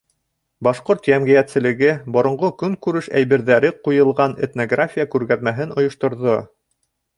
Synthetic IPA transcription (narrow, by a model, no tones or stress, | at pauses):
bɑʃqoɾt̪jæmɡĭjæt̪sɘ̆lɘ̆ɡɘbŏɾŏɴʁokɵŋkʉɾɘʃæ̰jβɘ̆ɾðæɾɘqujɤ̆lˠʁɑnet̪noɡrafʲijakʉɾɣæðmæɦɘnŏjŏʃt̪ŏɾðo